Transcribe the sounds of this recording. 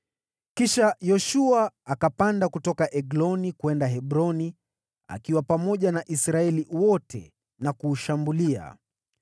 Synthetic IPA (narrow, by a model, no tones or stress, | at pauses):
kiʃajɔʃuaːkapandakutɔkaʔɛɡlɔnikwɛndaɦɛɓɾɔni | a̰kiwapamɔʄanaʔisɾaɛliwɔtʰɛ̰ | nakuːʃambulia̰